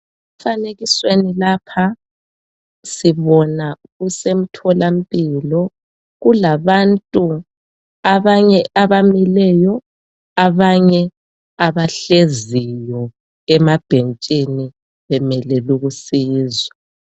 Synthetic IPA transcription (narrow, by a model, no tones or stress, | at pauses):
ufaneɣiswenilaːpʰa | siβɔna | ɣusem̩tʰɔlam̩pʼilɔ | ɣulaβantʼu | aβaɲɛʔaβamilɛjɔ | aβaɲɛ | aβaɬezijɔ | ɛmab̥ʱent͡ʃʼini | βɛmɛlɛluɣusiːzwa